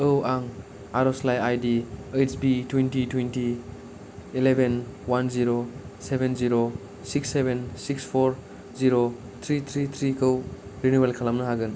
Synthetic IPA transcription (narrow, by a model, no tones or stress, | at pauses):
ɯwʔaŋ | aɾɔslajajdiejt͡ʃbitwentitwenti | ilebʱenwanziɾosebʱenziɾo | siksːebʱensikspʰoɾ | ziɾo | t̪ʰɾit̪ʰɾit̪ʰɾikɯwɾinuwelkʰalamnɐɦaɡɯn